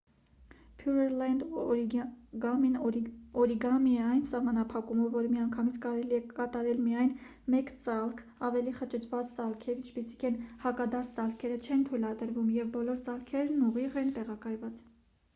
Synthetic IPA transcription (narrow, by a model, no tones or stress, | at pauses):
pʰjuɾɛɾlɛnd̪ | ɡɑminɔɾiɡɑmiɛɑjnsɑhmɑnɑpʰɑkuməvːɔɾmiɑŋkʰɑmit͡sʰkɑɾɛliɛkɑt̪ɑɾɛlmiɑjn | mɛkt͡sɑlkʰ | ɑvɛliχət͡ʃʰət͡ʃʰvɑt͡st͡sɑlkʰɛɾint͡ʃʰpisi̥kʰɛnhɑkɑd̪ɑɾt͡sʰt͡sɑlkʰɛɾət͡ʃʰɛnt̪ʰujlɑd̪əɾvumjɛvbɔlɔɾt͡sɑlkʰɛɾnuʁiʁɛnt̪ɛʁɑkɑjvɑt͡s